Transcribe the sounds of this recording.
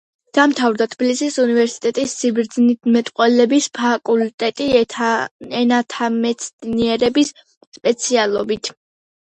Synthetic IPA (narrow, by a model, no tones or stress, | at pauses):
d̪̥amt̪ʰavɾd̪at̪ʰbilisisunivɛɾsi̥t̪ʼɛt̪ʼisːibɾd̪znimɛt̪ʼqʼwɛlɛbispʰakʼult̪ʼɛt̪ʼi | ɛnat̪ʰamɛt̪sʰniɛɾɛbis | spʼɛt̪sʰialˠɔbit̪ʰ